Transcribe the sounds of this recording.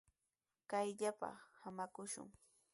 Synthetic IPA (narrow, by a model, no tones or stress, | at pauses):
kajʎapa̰hamakʊʃʊ̰ŋ